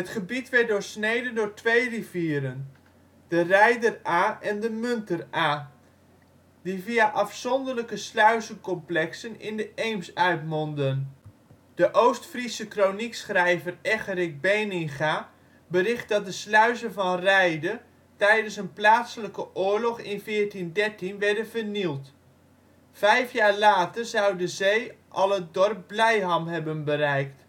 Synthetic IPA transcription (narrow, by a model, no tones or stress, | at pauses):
ɦətχəbitʋɛrt̚dʊːɹsnejdəndʊːɹtʋejriviːəɾən | dərɛjdəraːʔɛndəmɵntəraː | diviaʔɑfsɔndərləkəslœɥzəkɔmplɛksənɪ̰ndəʔejmsœɥtmɔndən | dəʔowstfrisəkroniksχrɛjvərɛχərɪk̚bejnɪŋχaː | bərɪχt̚dɑt̚dəslœɥzəvɑnrɛjdə | tɛjdənsənplaːtsələkəʔʊːɹlɔχɪnfɪːrtindɛɹtinʋɛɹdənvərnilˠt | fɛjfjaːɹlaːtərzɑwdəzejʔɑlˠət̚dɔrp̚blɛjɦɑmɦɛbənbəɾɛjkt